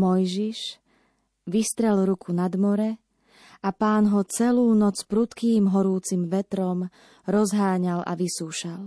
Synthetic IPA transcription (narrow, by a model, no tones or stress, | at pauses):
mɔjʒiʃ | ʋist̪ɾɛlɾukʰunad̪mɔɾɛ | apaːnɦɔt͡sɛluːnɔt͡spɾut̪kiːmɦɔɾuːt͡simʋɛt̪ɾɔm | ɾɔzɦaːɲalʔa̰ʋisuːʃal